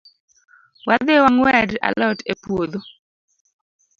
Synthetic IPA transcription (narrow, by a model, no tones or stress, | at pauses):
wad̪ewaŋwɛda̰lɔtepwod̪o